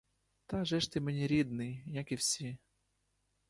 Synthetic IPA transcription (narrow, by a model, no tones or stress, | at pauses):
t̪ɑʒɛʃt̪ɪmenʲiɾʲid̪nɪjjakiwsʲi